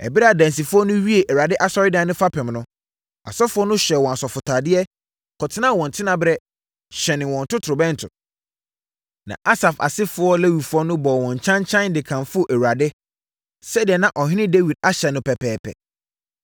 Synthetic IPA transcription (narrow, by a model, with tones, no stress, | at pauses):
ɛ̰˨bɪ˦ɾa˦˨dæ̃˨n˨s̬i˨fʊ˦ɔ˦nʊ̃˦ɥi˦e˨ʔɛ˨wa˨dɪ˦ʔa˨sɔ˦ɾɪ˦dã˨nʊ̃˦fa˦pʰɛ̃˨mnʊ̃˦ | a̰˨sɔ˦fʊ˦ɔ˦nʊ̃˦ɕᶣɛ˨wɔ̃˨a˨sɔ˨fʊ˨tʰaː˨dɪ˦ɛ˦ | kʰɔ˨tʰɪ˦nã˦˨wɔ̃˨n̩˨tʰɪ˦nã˦bɾɛ˦ | ɕɛ˨nɪ̃˨wɔ̃˨n̩˨tʊ˦tʰɾʊ˨bɛ̃˦n̩˨tʰʊ̰˨ | nã̰˨ʔa˦sa˨fa̰˨sɪ˦fʊ˨˦ɔ˦le˦wi˨fʊ˦ɔ˦nʊ̃˦bɔ˨wɔ̃˨ɲ˨t͡ɕʰã˦ɲt͡ɕʰã˦n˦dɪ˨kʰã˨mfʊ˦ɔ˦ʔɛ˨wu˨ɾa˨dɪ˦ | sɛ˦dɪ˨ɛ˨nã˨ʔɔ˨ɦɪ̃˦nɪ̃˦de˦wi˨d̚a˦ɕɛ˨nʊ̃˨pʰɛ˨pʰɛː˨pʰɛ̰˨